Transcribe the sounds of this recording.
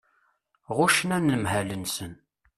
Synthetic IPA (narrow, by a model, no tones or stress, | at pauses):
ʁʊʃənænːəmɦælənsən